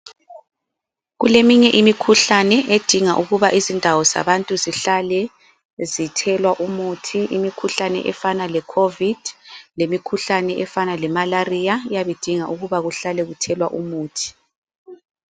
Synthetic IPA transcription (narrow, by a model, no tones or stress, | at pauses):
ɣulemiɲɛʔimikʰuɬanɛʔed̥ʱiŋaʔuɣuβaʔizindʱawɔz̥a̰βantʼuziɬalɛ | zitʰɛlwaʔumutʰiʔimikʰuɬanɛ̰ʔɛfanalɛkʰovid̥ʱlemikʰuɬanɛʔɛfanalɛmalarijajaβed̥ʱiŋaʔuɣuβaɣuɬalɛɣutʰɛlwaʔumuːtʰi̥